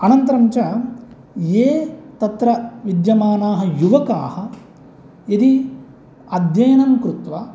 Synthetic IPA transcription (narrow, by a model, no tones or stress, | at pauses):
ɐnɐnt̪ɐɾɐmt͡ʃɐ | jeːt̪ɐt̪ɾɐʋid̪jɐmaːnaːɦɐ̆juʋɐka̰ːhɐ̆ | id̪i | ɐd̪jɐjɐnɐmkɾut̪ʋa